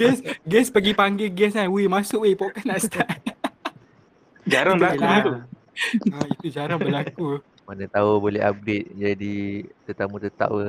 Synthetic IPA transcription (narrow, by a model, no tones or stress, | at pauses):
ɡɛsɡɛspəɡipaŋɡɪɡɛsanwemasʊʔwepɔʔkanaʔst̪aʔ | d͡ʒaɾaŋbəlakut̪u | ait̪ud͡ʒaɾaŋbəlaku | manət̪aubolɛ̰ɦa̰p̚ɡɾet̪̚d͡ʒadit̪ət̪amut̪ət̪a̰ʔwə